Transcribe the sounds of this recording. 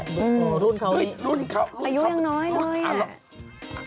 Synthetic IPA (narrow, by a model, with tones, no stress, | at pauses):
ʔɯː˧˩m˧˩ɾu˥˩nkʰa˧˩i˦˥˩u˥˩nkʰa˧aː˧ju˦˥jaː˧ŋnɔː˦˥jlɤː˧ja˧˩˧